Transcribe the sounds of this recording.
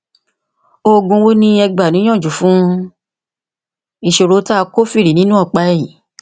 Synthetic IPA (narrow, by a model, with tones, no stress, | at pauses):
o˧ɡũ˧wo˦nĩ˧ɛ˧ɡ͡ba˨nĩ˨˦j̃ɔ̃˦˨d͡ʒu˨fũ˨˦ | i˧ʃo˧ɾo˨˦ta˦˧ko˦fi˦˨ɾi˨nĩ˦nũ˦ɔ˦˨k͡pa˧˦˨i˨